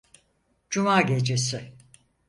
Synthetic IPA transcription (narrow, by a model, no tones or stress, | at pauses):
d͡ʒumaːɟʲe̞d͡ʒesɪ